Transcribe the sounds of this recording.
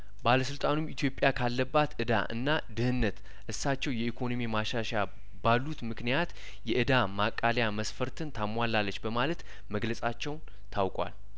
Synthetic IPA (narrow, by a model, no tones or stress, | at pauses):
baləsɨlt̪ʼanumit̪ʰjo̞pʼjakʰalːəbːat̪ʔɨd̪a̰ʔɨ̰nːad̪ɨhɨnːət̪ | ʔɨsːat͡ʃːɛwjɛikʰo̞no̞mimaʃaʃa | balːut̪mɨknijat̪ | jɛʔɨd̪amakʼːaljaməsfəɾt̪ʰɨnt̪ʰamwalːalːət͡ʃːbəmalət̪ | məɡləsʼat͡ʃːɛwn | t̪ʰawkʼwa̰l